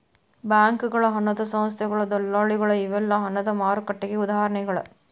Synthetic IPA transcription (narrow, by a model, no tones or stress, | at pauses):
baːŋkɯɣɐɭɐɦɐnɐðɐsɐmɐs̬t̪jɐɣɐɭɐd̪ɔɭːaːɭɪɣɐɭɐɪʋɛlːãɦɐnɐðɐmaːɾɯkːɐʈːɐɣeʊðaːhɐɾɐɳɐɪɣɐɭɐ̰